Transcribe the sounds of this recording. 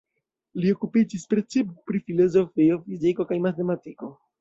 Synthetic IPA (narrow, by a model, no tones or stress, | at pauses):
lio̞kupid͡ʒispɾe̞t͡sippɾifilo̞zo̞fio̞fiziko̞kajmate̞matiko̞